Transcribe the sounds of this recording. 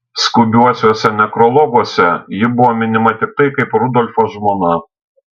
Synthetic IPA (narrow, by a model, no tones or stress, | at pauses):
skʊbʲuɔsʲoːsʲɛnʲɛkɾɔlˠɔɡuɔsʲɛjɪbʊʋomʲɪnʲɪmɐt̪ʲɪkk̪ɐɪkɐɪpɾʊd̪ɔlʲfoʒmunɐ